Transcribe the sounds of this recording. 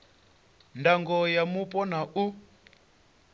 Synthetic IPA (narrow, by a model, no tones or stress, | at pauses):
ndaŋɡɔjamupʼɔnaʔu